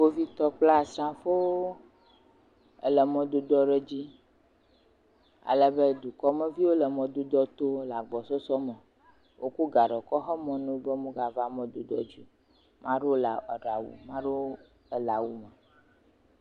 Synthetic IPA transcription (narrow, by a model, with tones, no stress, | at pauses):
wo˦vi˦t̪ɔ˦k͡pla˦˨sɾã˦fo˦wo˦ | ɛ̰˦lɛ˨mɔ̃˨d̪o˨d̪ɔ˦ɖɛ˦d͡ʑi˦ | a̰˨lə˨be˦d̪u˨kɔ˦mɛ̃˦vi˦wo˦lɛ˨mɔ̃˨d̪u˦d̪ɔ˦t̪o˦la˨ɡ͡bɔ˨sɔ˦sɔ˦mɛ̃˨ | wʔo˦ku˦ɡa˨ɖɔ˨kɔ˦xɛ˦mɔ̃˨nũ˦bɛ˦mũ˦ɡa˨va˦mɔ̃˨d̪u˨d̪ɔ˦d͡ʒi˦ | mã˦ɖo˦la˨ɔ˨ɖa˨wṵ˨mã˦ɖo˦ | ɛ˨la˨wu˦mɛ˨